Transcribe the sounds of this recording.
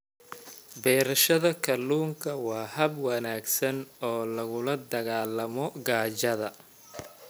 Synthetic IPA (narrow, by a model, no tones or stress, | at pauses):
bɛːɾɐʃɐðɐkʰɐluːŋkʰɐwɑːhɐbwɐnaːɡsɐnɔːlɐɣʊlɐd̪ɐɣaːlɐmɔɡaːt͡ʃɐðɐ